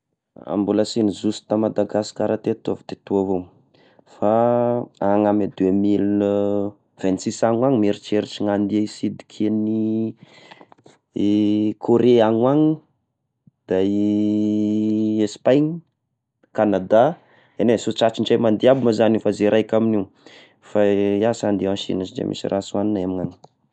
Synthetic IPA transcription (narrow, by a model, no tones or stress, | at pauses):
a̰mbulasinizusi̥t̪amad̪aɡasi̥kaɾat̪et̪avi̥t̪et̪uavo | fa | aŋamed̪wemil | v̥ɛnsisaŋwaŋmeɾit͡ʃeɾiʈ͡ʂiŋand̪ieisid̪i̥kʰini | kʰoɾeaŋwaŋi | d̪̥a | espajɲ | kanad̪a | enesoʈ͡ʂat͡ʃiɳʈ͡ʂajmand̪iabiməzanifazeɾʔajkʲaminiw | faiasand̪iãʃḭnazid͡ʒḛmʔḭsḭrʔasuaninemiŋani̥